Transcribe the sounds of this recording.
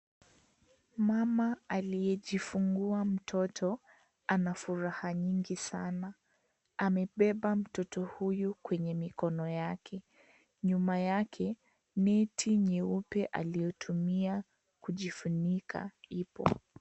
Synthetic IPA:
mamaalijɛʄifuŋɡuam̩tʰɔtʰɔ | anafuɾahaɲiŋɡisana | amɛɓɛɓam̩tɔtɔhujukwɛɲɛmikɔnɔjakʰɛ | ɲumajakʰɛ | nɛtʰiɲɛupɛʔalijɔtʰumia | kuʄifunikʰa̰ipɔ̰

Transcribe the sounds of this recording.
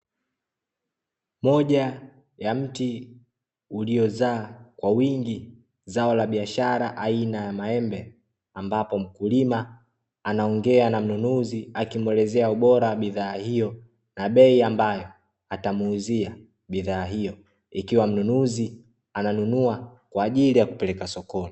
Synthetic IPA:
mɔʄa | jam̩ti | uliɔzaːkwawiŋɡi | zaɔlaɓiaʃaɾaʔainajamaɛmbɛ | ambapɔm̩kulimaː | naɔŋɡɛanam̩nunuziakimwɛlɛzɛauɓɔɾawaɓiðaːhijɔ | naɓɛiambajɔ | atamuːzia | ɓiðaːɦijɔ | ikiwam̩nunuzi | ananunuakwaːʄilijaku̥pɛlɛkasɔkɔni

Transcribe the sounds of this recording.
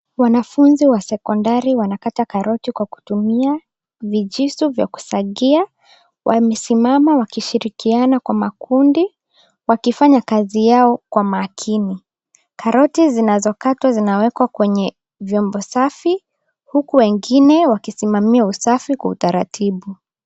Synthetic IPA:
wanafunziwasɛkɔndaɾiwanakatakaɾɔtikwaku̥tumia | viʄisuvja̰ku̥saɠia | wʔamɛsimamawakiʃiɾikianakwamakundi | wakifaɲakazijaɔkwamaːkʰini | kaɾɔtizinazɔkatwazinawɛkwakwɛɲɛ | vjɔmbɔsafi | hukuwɛŋɡinɛwakisimamiausafikwautaɾa̰tʰiɓu

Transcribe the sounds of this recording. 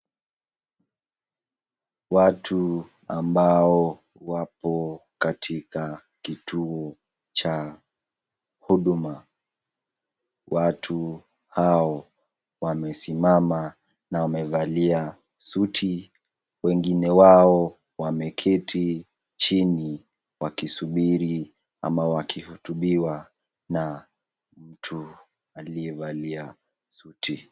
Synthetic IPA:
watʰu | a̰mbaɔ | wapɔkatʰika | kitʰuɔ | t͡ʃa | huɗuma | watʰu | haɔ | wamɛsimama | nawamɛvalia | sutʰi | wɛŋɡinɛwaɔ | wamɛkʰɛtʰi | t͡ʃini | wakisuɓiɾi | a̰mawakʰihutuɓiwa | na | m̩tʰu | aliɛvalia | sutʰi

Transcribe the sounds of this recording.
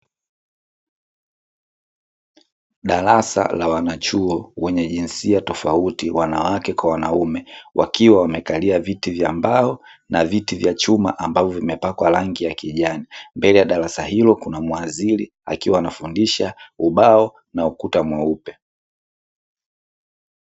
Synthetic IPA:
ɗalasa̰lawanat͡ʃuɔwɛɲɛʄinsiatɔfautiwanawakɛkwawanaumɛwʔa̰kiwawamɛkaliavitivja̰mbaɔ | navitivjat͡ʃumaʔambavɔvimɛpakwalaŋɡijakiʄanimbɛlɛjaɗaɾasahilɔkunamwazili | a̰kiwaːnafundiʃauɓaɔ | naukutamwaupɛ

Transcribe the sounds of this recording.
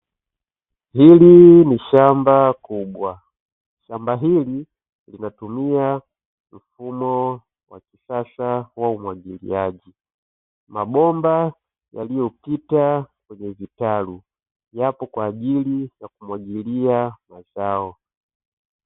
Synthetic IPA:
hiliniʃambakuɓwa | ʃambaɦili | linatumia | m̩fumɔ | wakiʃaʃawaumwaɡilḭaʄi | maɓɔmba | jalijɔpitakwɛɲɛvitalu | japɔkwaːʄilijakumwaɡiliamazaɔ

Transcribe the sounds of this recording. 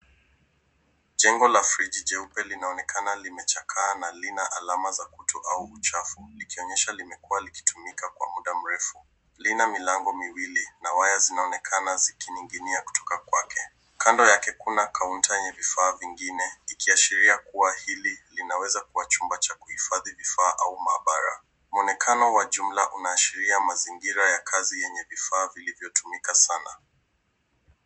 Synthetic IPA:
ʄɛŋɡɔlafɾid͡ʒid͡ʒɛupɛlinaɔnɛkʰanalimɛt͡ʃakʰaːnalinaʔalamazakutʰɔʔauːt͡ʃafulikiɔɲɛʃalimɛkuwaliki̥tumikakwa̰muɗam̩ɾɛfu | linamilaŋɡɔmiwilinawajazinaɔnɛkʰanazikiniŋɡiniaku̥tʰɔ̥kakwakʰɛ | kʰandɔjakɛkunakʰauntajɛɲɛvifaːviŋɡinɛikʰiaʃiɾiakuwahililinawɛzakuwat͡ʃumbat͡ʃakuhifaðivifaːʔaumaːɓaɾa̰ | mɔnɛkʰanɔwaʄum̩laʔunaːʃiɾiamaziŋɡiɾajakʰazijɛɲɛvifaːvilivjɔtʰumikasana

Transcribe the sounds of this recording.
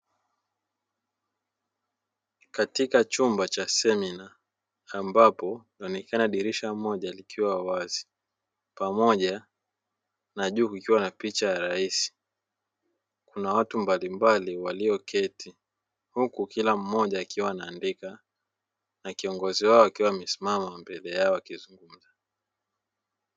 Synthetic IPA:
katikat͡ʃumbat͡ʃasɛminaː | mbapɔnaɔnɛkanaɗiɾiʃamɔʄalikiwawawazi̥ | pamɔʄa | naʄuːkikiwanapit͡ʃajaɾaisi̥ | kunawatumbalimbaliwaliɔkʰɛtʰi | hukukilam̩mɔʄaːkiwaːnaːndika | nakiɔŋɡɔziwaɔakiwamɛsimamambɛlɛjaɔakizuŋɡum̩za

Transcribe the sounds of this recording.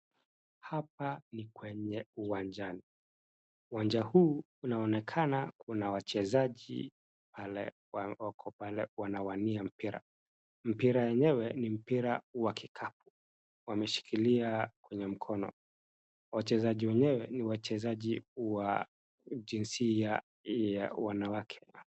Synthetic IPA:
hap̚anikwɛɲɛuwand͡ʒani | uwand͡ʒahuː | unaɔnɛkʰanakʰunawat͡ʃɛzaʄḭ | palɛ̰ | awakʰɔpalɛwanawaniam̩piɾa̰ | m̩piɾajɛɲɛwɛnim̩piɾauwakikʰap̚u̥ | wamɛʃi̥kʰiliakwɛɲɛm̩kʰɔnɔ̰ | wat͡ʃɛzaʄiwɛɲɛwɛniwat͡ʃɛzaʄiwa | d͡ʒinsia | jawanawakʰɛ̥

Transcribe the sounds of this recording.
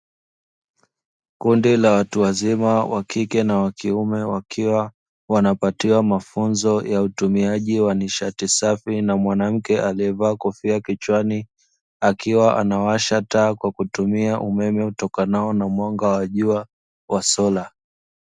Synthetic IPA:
kundilawatuwazimawakikɛnawakiumɛwakʰiwa | wanapatiwamafunzɔjautumiaʄiwaniʃatisafinamwanam̩kɛʔaliɛvaːkɔfiakit͡ʃwani | akiwaʔa̰nawaʃataːkwakutumiaʔumɛmɛutɔkanaɔnamwaŋɡawaʄua | wasɔla

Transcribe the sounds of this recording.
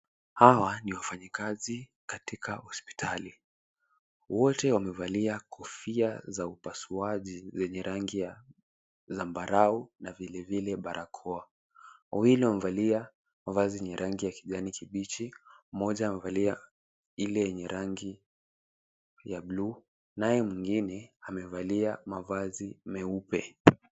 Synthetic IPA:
hawaniwafaɲikazikatikʰahɔspi̥tʰali | wɔtɛwamɛvaliakʰɔfiazaupasuaʄizɛɲɛɾʔaŋɡia | zambaɾaunavilɛvilɛɓaɾʔakʰɔa | awiliwamɛvalia | mavazijɛɲɛɾʔaŋɡijakiʄanikiɓit͡ʃimɔʄaːmɛvalia | ilɛjɛɲɛɾaŋɡi | jablu | najɛmwiŋɡinɛamɛvaliamavazimɛupɛ

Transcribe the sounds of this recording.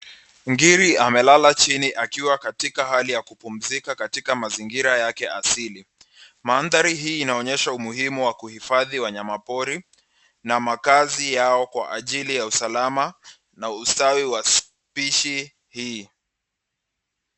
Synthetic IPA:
ŋɡiɾiamɛlalat͡ʃiniʔakiwakatikaɦalijakupum̩zikakatikamaziŋɡiɾajakɛasili | manðaɾiɦiːnaɔɲɛʃaumuhimuwakuhifaðiwaɲamapɔɾi | namakazijaɔkwa̰ʔaʄilijausalama | naustawiwas | piʃi | hiː

